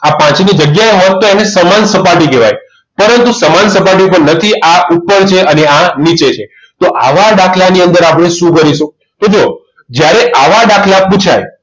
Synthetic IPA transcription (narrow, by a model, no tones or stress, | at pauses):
apãt͡ʃnid͡ʒəɡjaeɦɔt̪ːoenesəmansəpaʈikeʋa̰j | pəɾənt̪usəmansəpaʈ̬iopəɳnət̪ʰiʔaupːəɾt͡ʃʰeʔəneanit͡ʃet͡ʃʰe | t̪oʔa̰ʋaɖakʰlaniənd̪əɾapɽ̃eʃũkəɾiʃũ | t̪od͡ʒo | d͡ʒjaɾeʔaʋaɖakʰlaput͡ʃʰa̰j